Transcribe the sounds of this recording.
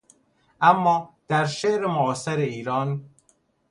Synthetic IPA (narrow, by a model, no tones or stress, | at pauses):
æmːɒːd̪̥æɾʃeɾɪmʊːseɾeiːɾɒːn